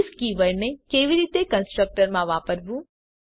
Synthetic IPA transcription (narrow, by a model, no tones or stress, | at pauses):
skiʋəɾnekeʋiɾit̪ekənsʈɾək̚ʈəɾmãʋapəɾʋũ